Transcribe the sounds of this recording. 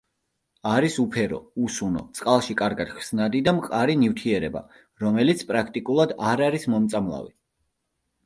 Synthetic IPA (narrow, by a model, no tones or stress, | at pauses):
aɾisupʰɛɾɔ̰usunɔ̰t̪sʼqʼalˠʃikʼaɾɡad̪̥χsnad̪id̪amqʼaɾinivt̪ʰiɛɾɛba̰ | ɾɔmɛlit̪sʰpʼɾakʰt̪ʼikʼulˠad̪aɾaɾismɔmt̪sʼamlˠa̰vi